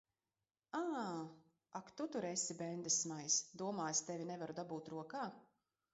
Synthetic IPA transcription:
aː | akt̪ut̪uɾesibɛnd̪ɨsmajsd̪uɔmaːjst̪ɛvʲinɛvaɾud̪abuːt̪ɾuɔkaː

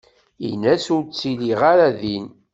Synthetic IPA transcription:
ḭnæsʊɾt͡sːiliʁaɾaðin

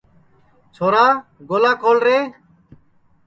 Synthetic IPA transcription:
t͡ʃʰoːɾaːɡoːlãːkoːlɾeː

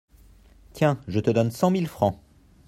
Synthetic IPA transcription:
t̪jɛ̃ʒət̪əd̪ɔnsɑ̃milfχɑ̃

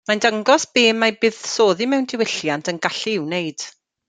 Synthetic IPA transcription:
majndəŋɡɔsb̥eːmːajbɨð̥soːðimɛwndɪwɪɬjantʰənɡaɬiɪwnejd̥

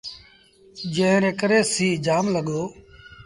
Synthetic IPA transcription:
d͡ʒẽːɾẽːkəɾeːsiːd͡ʒaːmləɠoː

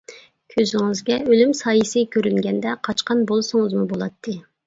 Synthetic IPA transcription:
kʲʰøzɪŋɪzɡʲɛølymsɑːjɨsɨkʲʰøɾyŋɡʲɛnd̪ɛqʰɑt͡ʃqʰɑnbolˠsʊŋɨzmubolˠɑt̪ʰːɨ

